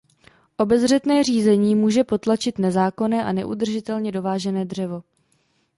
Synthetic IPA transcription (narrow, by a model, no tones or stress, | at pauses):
ʔo̞bɛzr̝ɛt̪nɛːr̝iːzɛɲiːmuːʒɛpo̞t̪lat͡ʃɪt̪nɛzaːko̞nɛːʔanɛʔṵd̪r̩ʒɪt̪ɛlɲɛdo̞vaːʒɛnɛːdr̝ɛvo̞